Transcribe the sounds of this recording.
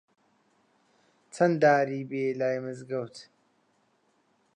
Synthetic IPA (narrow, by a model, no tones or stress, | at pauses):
t͡sʰɐnd̪aːɾiːbeːlaːjmɨzɡɐwt̪ʰ